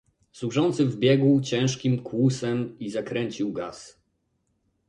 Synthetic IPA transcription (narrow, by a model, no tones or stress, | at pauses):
swuʐɔnt̪sɘvbʲjɛɡuwt͡ɕɛ̃w̃ʂkʲimkwusɛmizakɾɛɲt͡ɕiwɡas